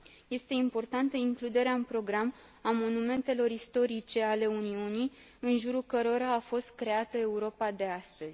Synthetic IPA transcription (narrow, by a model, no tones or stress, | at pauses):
je̞st̪e̞impo̞rt̪ant̪əiŋklud̪e̞ɾeaɨnpɾo̞ɡɾam | amo̞nume̞nt̪e̞lo̞ɾist̪o̞ɾit͡ʃe̞ale̞uniunij | ɨnʒuɾukəɾo̞ɾaːfo̞st̪̚kɾe̞at̪əe̞uɾo̞pad̪e̞ast̪əz̥ʲ